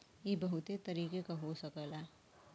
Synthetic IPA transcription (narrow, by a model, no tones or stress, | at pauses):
jebɐɦʊt̪et̪ɐɾiːkekaɦosəkəlɛː